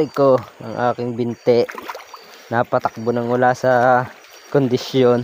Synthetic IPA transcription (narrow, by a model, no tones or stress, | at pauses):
ɪkoɐŋʔa̰ːkɪŋbɪnt̪ɛʔ | naːpɐt̪ɐk̚bʊnɐŋmʊlaːsɐ | kond̪ɪsjon